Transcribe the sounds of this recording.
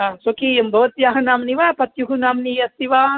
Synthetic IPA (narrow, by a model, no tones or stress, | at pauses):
ɦaːsokimbʱɐʋɐt̪jaːɦɐnaːmniʋaːpɐt̪juɦunaːmniɐst̪iʋaː